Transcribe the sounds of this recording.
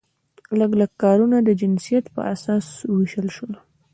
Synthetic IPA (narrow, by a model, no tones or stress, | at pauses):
ləɡləɡkːɑɾunad̪əd͡ʒɪnsijat̪pə̰ʔasɑswəwiʃəlʃəl